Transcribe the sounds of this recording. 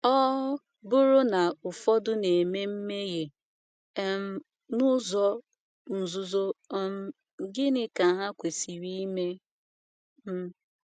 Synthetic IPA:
ɔ˦ | bʊ˦ɾʊ˦na˨ʊ˨fɔ˦dʊ˦ne˨me˦m̩˦me˦ɣe˨˦ | m̩˦ | nʊ˦zɔ˦ | n̩˨zʊ˦zo˦m̩˦ | ɡɪ˦nɪ˦ka˨ɦa˦kʷe˨si˨ɾi˦me˦ | m̩˦

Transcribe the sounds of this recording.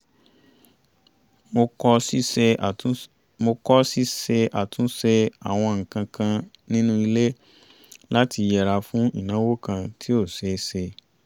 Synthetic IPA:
mo˧ɔ˦˧ | mo˧kɔ˦si˦ɛ˧a˨tũ˦sɛ˧a˨w̃ɔ̃˧ŋ̩˨kã˧kã˧ | nĩ˦nũ˦i˧le˦ | la˦ti˧jɛ˨ɾa˧fũ˦ḭ˦˨nã˨˦wo˦kã˧tʰi˦o˦˨sɛ˨˦sɛ˧

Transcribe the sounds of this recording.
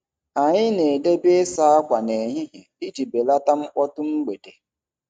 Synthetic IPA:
a˨ɲɪ˦ne˨de˦be˦sa˦a˦kʷa˨ne˨ɲɪ˦ɦɪ˨i˦d͡ʒi˨be˨la˦ta˦m̩˦ʔɔ˦tʊ˦m̩˦ɡ͡be˨de˨

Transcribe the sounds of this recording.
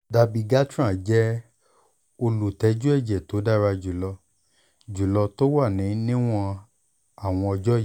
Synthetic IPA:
da˧bi˧ɡa˦tɾ̃ã˦˨d͡ʒɛ˦ | o˧lu˨tɛ˨˧d͡ʒu˦ɛ˦˨d͡ʒɛ˨to˨˦da˦˨ɾa˧d͡ʒu˨lɔ˧ | d͡ʒu˨lɔ˧to˦wa˦˨nĩ˨˦nĩ˦w̃ɔ̃˧ | a˨w̃ɔ̃˧ɔ˧d͡ʒɔ˦˨

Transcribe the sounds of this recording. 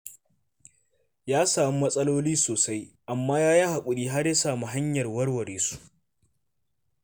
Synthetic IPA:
jaː˦saː˨m˦mɐ˦sʼɐ˦loː˦liː˦soː˨sa˦jʔa˨mːaː˦jaː˦jaː˦ha˨kʷʼʊ˨ɽiː˦ɦa˦rja˦saː˨mu˦ɦa˦ɲjɐ˨rwɐ˦rwɐ˨ɽeː˨su̥˦ʔ

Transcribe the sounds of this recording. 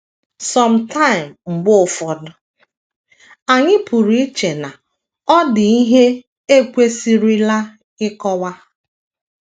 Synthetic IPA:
sɔ˨m̩˨tʰa˦ɪ˨mŋ͡m̩˨ɡ͡bʊ˦ʊ˨fɔ˨dʊ˨ | a˨ɲɪ˦pʰu˨ɾi˨i˦t͡ʃe˨na˨ | ɔ˦dɪ˨i˦ɦe˦ | e˦kʷe˦si˦ɾi˦la˦ | ɪ˦kɔ˦wa˦

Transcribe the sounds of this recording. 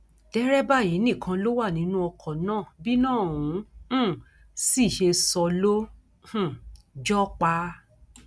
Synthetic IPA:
d̥ɛ˦ɾɛ˦ba˦˨ji˨˦nĩ˦˨kʰã˧lo˦wa˦˨nĩ˧˦nũ˦ɔ˧kʰɔ˨nãː˦˨bi˦nãː˦˨ũ˨˦ | si˦˨ʃe˧sɔ˧lo˦ | h̩˨ | d͡ʒɔ˦k͡pa˧

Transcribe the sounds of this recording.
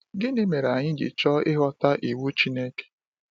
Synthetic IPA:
ɡɪ˦nɪ˦me˨ɾa˨ɲɪ˦d͡ʒɪ̰˨t͡ʃɔ˦ɪ˦ɦɔ˦ta˦ʔi˨wu˦t͡ʃi˦ne˦ke̥˨

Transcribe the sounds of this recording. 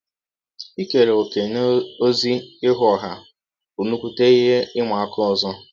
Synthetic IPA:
i˦ke˨ɾe˨o˨ke˨no˦zi˦ɪ˦ɦʊ˨˦ɔ˨ɦa˨ | u˨nu˦kʷu˦te˦i˦ɦe˦ɪ˦ŋʷa˨a˨kʰɔ˦ɔ˨zɔ˦

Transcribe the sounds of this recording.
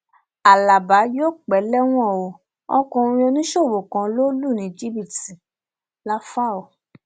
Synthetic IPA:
a˨la˨ba˨˦joː˦k͡pɛ˨˦lɛ˦w̃ɔ̃˦˨o˨ | ɔ̰˦kɔ̃˧ɾĩ˧o˧nĩ˦ʃo˦˨wo˨kã˨˧lo˦lu˦˨nĩ˨˦˨d͡ʒi˦bi˦˨ti˨ | la˦fa˦˨o˨

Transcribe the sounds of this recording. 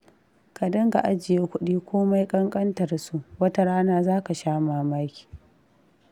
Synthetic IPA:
ka˨dɐ˦ŋɡa˨ʔa˦d͡ʒɪ˨jeː˦kʷʊ˦ɗiː˦kʷoː˦ma˦jkʼɐ˦ŋkʼɐ˦ntɐ˨rsu˦ʔwɐ˦ta˦ɽaː˦naː˦zaː˦ka˨ʃaː˦maː˨maː˦kʲi̥ː˨

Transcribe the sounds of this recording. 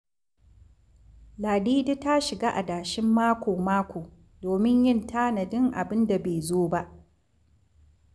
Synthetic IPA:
laː˨diː˦di˦ta˦ʃɪ˨ɡaː˦ʔa̰˨daː˨ʃɪ˦mːaː˦kʷoː˨maː˦kʷoː˨ | doː˨mɪ˦ɲjɪ˦˨ntaː˦na˨dɪ˦ŋʔa̰˨bɪ˦nda˨beː˨zoː˦ba˦ʔ

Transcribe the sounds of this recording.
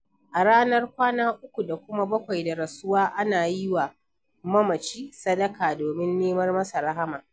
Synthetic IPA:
ʔa˨ɽaː˦nɐ˦rkʷaː˦naː˦ʔʊ˦kʷu˨da˨kʷʊ˦ma˦bɐ˦kʷa˨jda˨ɾɐ˨sʊ˦waː˦ʔa˦naː˨ji˦wa˨ | mɐ˦mɐ˨t͡ʃiː˦sɐ˦dɐ˦kaː˨doː˨mɪ˦nːeː˦mɐ˦rmɐ˦sa˨ɾɐ˦ɦa˦maː˨

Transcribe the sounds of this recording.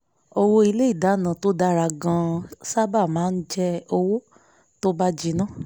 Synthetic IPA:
o˧wo˧i˧le˦i˦˨da˨˦˨nã˨to˦da˧ɾa˧˨ɡã˧sa˦ba˦˨mãː˨˦n̩˦d͡ʒɛ˦o˧wo˦ | to˦ba˦d͡ʒi˧nã˦˨

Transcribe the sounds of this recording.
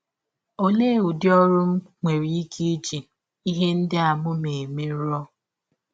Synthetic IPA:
o˦le˦˨u˨djɔ˦ɾʊ˦m̩˦ŋʷe˨ɾi˨i˦ki˦d͡ʒi˨ | i˦ɦe˦n̩˦dɪ˦a˨mʊ˦me˨me˦ɾɔ˦

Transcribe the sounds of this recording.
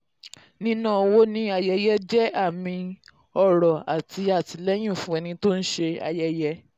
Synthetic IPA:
nĩ˦nã˦˨˧wo˦nĩ˦a˧jɛ˧jɛ˦d͡ʒɛ˦a˦˨mĩ˧ | ɔ˦˨ɾɔ˨a˨ti˧a˦˨ti˧lɛ˦j̃ĩ˦˨fũ˦ɛ˧nĩ˧to˦n̩˦ʃe˧a̰˧jɛ˧jɛ˧

